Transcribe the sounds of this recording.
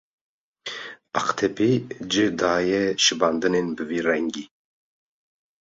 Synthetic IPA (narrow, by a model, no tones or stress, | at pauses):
aqt̪ʰɛpid͡ʒɨd̪aːjɛʃɨbɑnd̪ɨnenbɨviːrɛŋɡiː